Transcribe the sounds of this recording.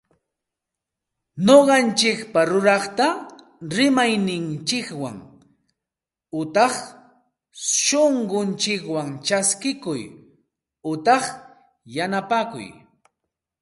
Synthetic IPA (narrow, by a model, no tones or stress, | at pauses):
ɲoɢɑnt͡ʃɪkpaɾʊɾɑχt̪a | ɾɪmajnɪnt͡ʃɪkwa̰ŋ | ʊt̪ɑχ | ʃoɴɢʊnt͡ʃɪkwaŋt͡ʃaskɪkʊj | ʊt̪ɑχ | janapaːkʊ̰j